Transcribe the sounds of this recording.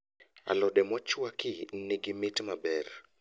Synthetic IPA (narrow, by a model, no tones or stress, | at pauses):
a̰lɔdɛmɔt͡ʃwakɪniɡɪmɪtmabɛr